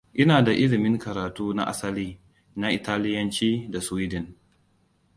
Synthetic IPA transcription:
ʔɪ˦naː˨da˨ʔɪ˦lɪ˨mɪ˦ŋkɐ˨ɾaː˨tuː˦na̰˦ʔa̰˦sɐ˦liː˦ | na˦ʔɪ˨taː˦lɪ˦jɐ˦nt͡ʃiː˦da˨swi˦dɪ˨n

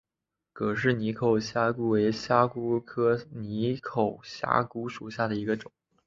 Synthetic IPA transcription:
kʰɤ˨˩ʂɻ̩˥˩ni˧˥kʰo˨˩ʊɕja˥ku˥we˧˥ɪɕja˥ku˥kʰɤ˥ni˧˥kʰo˨˩ʊɕja̰˥ku˥ʂu˨˩ɕja˥˩d̪ə˩i˧˥ɡə˧ʈ͡ʂʊ˨˩˦ŋ

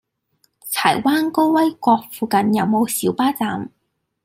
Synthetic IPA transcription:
t͡sʰa̰˨˩jwaː˥nko˥wwɐ˥jkʷɔː˧k̚fuː˧kɐ˨njɐ˨˧wmo˨˧wsiː˨˥wpaː˥t͡saː˨˧m

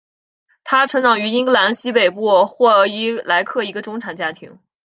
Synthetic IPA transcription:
t̪ʰa˥ʈ͡ʂʰɤ˧˥ŋnɑ˨˩ŋy˧˥i˥ŋɤ˥˩la˧˥nɕi˥pe˨˩ɪpu˥˩xwɔ˥˩˧i˧˥la˧˥ɪkʰɤ˥˩i˧˥ɡə˧ʈ͡ʂʊ˥ŋʈ͡ʂʰa˨˩nt͡ɕja˥t̪ʰḭ˧˥ŋ

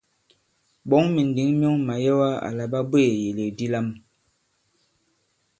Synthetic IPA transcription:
ɓɔ˨˦ŋmi˨n˨di˨˦ŋm˦ɔ˦ŋma˨jɛ˦wa˦a̰˨la˨ba˦bwe˦˨je˨le˨di˦la˦m

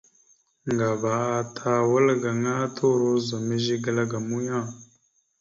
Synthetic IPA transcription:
ŋɡa˨ba˨a˦tʰa˦wə˦lɡa˨ŋa˦tʰo˦ɾo˦za˨mə˦ʒi˦ɡə˦la˦ɡa˨mu˦ja˦˨

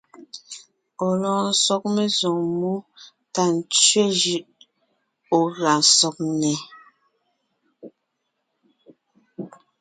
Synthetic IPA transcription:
o˨lɔ̃ː˨n̩˨sɔ˦k̚me˦zo˨ŋmu˦ | ta˨n̩˨t͡ʃɥe˦d͡ʒʉ˨ʔ | o˨ɣa˨sɔ˨k̚nɛ˨

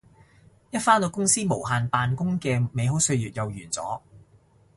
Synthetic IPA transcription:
jɐ˥t̚faː˥nt̪o˧wkʊ˥ŋsiː˥mo˨˩wɦaː˨npaː˨˧nkʊ˥ŋkɛː˧me˨˧jɦo˨˥wsɵ˧ɥjyː˨t̚jɐ˨wjyː˨˩nt͡sɔ̰ː˨˥

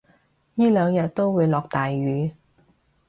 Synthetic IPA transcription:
jiː˥lœː˨˧ŋjɐ˨t̚t̪ːo˥wwuː˨˧jlɔː˨k̚t̪aː˨jɥyː˨˧

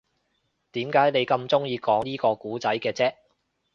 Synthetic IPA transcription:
t̪iː˨˥mkaː˨˥jne˨˧jkɐ˧mt͡sʊ˥ŋjiː˧kɔː˨˥ŋj̪iː˥kɔː˧kuː˨˥t͡sɐ˨˥jkɛː˧t͡sɛː˥

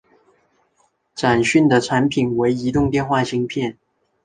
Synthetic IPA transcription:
ʈ͡ʂa˨˩nɕy˥˩nd̪ə˩ʈ͡ʂʰa˧˥npʰi˨˩nwe˧˥ɪi˧˥t̪ʊ˥˧ŋt̪jɛ˥˧nxwa˥˩ɕi˧˥ŋpʰjɛ˥˩n

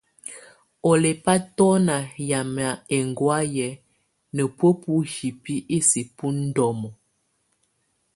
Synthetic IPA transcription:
ɔ˨le˨pa˦tɔ˦na˨ja˨m˨a˨e˨ŋɡwa˦jɛ˨˦ | nə˨pwə˦pu˦hi˨pi˦ʔi˦si˨pu˦n̩˦dɔ˨mɔ˨

